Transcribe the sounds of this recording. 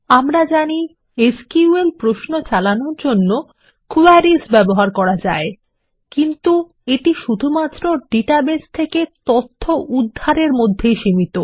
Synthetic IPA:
amɾad͡ʑani | eskiuelpɾoʃnot͡ɕalanoɾd͡ʑonːo | kuaɾisbɛboɦaɾkɔɾad͡ʑa̰e | kint̪u | eʈiʃud̪ʱumat̪ːɾoɖiʈabest̪ʰeket̪ot̪ʰːoʔud̪ʱːaɾeɾmod̪ʱːejʃimit̪o

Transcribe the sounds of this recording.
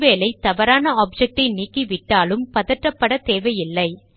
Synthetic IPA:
ʋeːlɐɪt̪ɐʋɐɾaːnɐaːp̚d͡ʒɛk̚ʈɐɪniːkːiʋɪʈːaːlɯmpɐðɐʈrɾɐpːɐɽɐt̪eːʋɐjɪlːɐɪ

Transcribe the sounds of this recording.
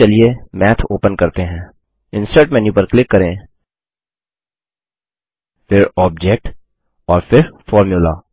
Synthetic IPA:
ɐliemɛːt̪ʰoːpənkɐɾt̪eɦɛ̃ː | ɪ̃nsəɾʈmɛːnjupəɾklɪkːɐɾẽː | fɪɾɔːb̚d͡ʒɛːk̚ʈ | ɔːɾfɪɾfɔːɾmjulaː

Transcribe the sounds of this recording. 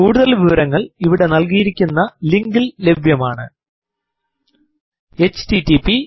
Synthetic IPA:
kuːɽuðɐlʋiʋɐɾɐŋːɐɭiʋiɽe̞nɐlkijiɾikʲːunːɐliŋɡɨlle̞bʱjɐmaːɳɨ | e̞t͡ɕtitipi

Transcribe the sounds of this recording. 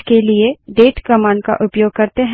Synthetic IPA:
kelieɖeːʈkɐmãːɳɖ̚ka̰ʔʊpjoːɡ̚kɐɾt̪eɦ

